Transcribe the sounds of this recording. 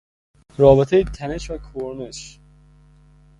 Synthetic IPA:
ɾɒːbet̪ʰejit̪ʰæneʃvækʰoɾmeʃ

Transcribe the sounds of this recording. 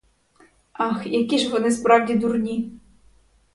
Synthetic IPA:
ɑxjakʲiʒʋɔnɪspɾɑwdʲid̪urnʲi

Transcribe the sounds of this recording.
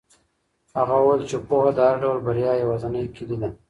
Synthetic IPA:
haɣawuwejlt͡ʃepohad̪əhaɾaɖawlbaɾjɑjawɑzanəjkʰilid̪a

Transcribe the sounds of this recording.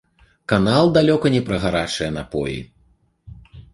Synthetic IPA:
kanalˠd̪alʲɔkɐnʲɛpɾɐɣaɾat͡ʂɨjɛnapɔ̰jḭ

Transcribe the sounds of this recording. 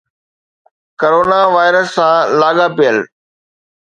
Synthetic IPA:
koɾoːnaʋaːɪɾəsːãːlaːɠapijəl

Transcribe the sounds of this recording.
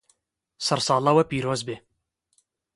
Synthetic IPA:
sɐɾsɑːlˠɐwɐpiːɾoːzbeː

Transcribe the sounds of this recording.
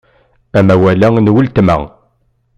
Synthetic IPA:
æmæwælæŋnwəlt̪mæ̰ŋ

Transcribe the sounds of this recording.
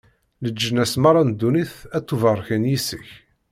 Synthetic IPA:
ləd͡ʒːənæsmɑɾˤɑnd̪ːuniθæt̪ːuvərˤːçənjisəç

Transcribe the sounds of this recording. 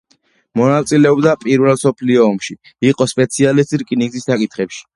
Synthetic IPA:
mɔnat̪sʼilɛɔbd̪apʼiɾvɛlˠsɔpʰliɔːmʃi | iqʼɔspʼɛt̪sʰialist̪ʼiɾkʼiniŋɡzisːakʼit̪ʰχɛpʃi̥

